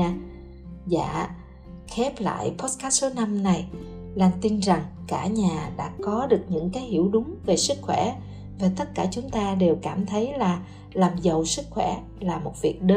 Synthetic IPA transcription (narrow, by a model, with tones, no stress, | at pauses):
za̰ː˧˨ | xɛ˦˥p̚la̰ː˧˨jpɔ˦˥t̚kaː˦˥t̚so˨˦na˧mna˨˩j | laː˨˩mt̪i˧nza˨˩ŋkaː˧˩ɲaː˨˩ɗa̰ː˧˥kɔ˨˦ɗɨ˨˩ək̚ɲɨ̰˧˥ŋkaː˨˦jhi˧˩əwɗʊ˨˦ŋ͡mve˨˩sɨ˦˥k̚xwɛ˧˩ | va˨˩t̪ə˦˥t̚kaː˧˩t͡ɕʊ˨˦ŋ͡mt̪aː˧ɗe˨˩wkaː˧˩mt̪ʰə˨˦jlaː˨˩ | laː˨˩mzə˨˩wsɨ˦˥k̚xwɛ˧˩ | laː˨˩mo˨˩t̚vi˨˩ək̚ɗə˧˦